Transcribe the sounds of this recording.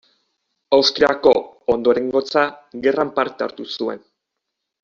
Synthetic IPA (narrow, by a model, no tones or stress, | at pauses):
awst̪ɾiako̞ond̪o̞ɾe̞ŋɡo̞t͡saɣe̞rampaɾt̪ea̰ɾt̪usue̞̰n